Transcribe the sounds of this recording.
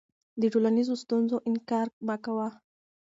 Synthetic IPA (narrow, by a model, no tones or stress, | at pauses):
d̪əʈolanizost̪unzoʔɪnkɑɾbakawa